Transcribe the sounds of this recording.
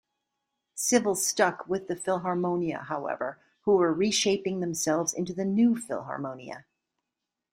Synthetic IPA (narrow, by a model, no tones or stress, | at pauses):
sɪvl̩ˠz̥stʌkʰwɪðɨfɪlˠɦɑɹmõʊ̃niɨ̰haʊɛ̰və˞ | huwə˞ɹiʃeɪpɪ̃ŋðɨ̃msɛlˠvzɪ̃ntʉðɨnʉfɪ̰lˠɦɑ̰ɹmõʊ̃niɨ̰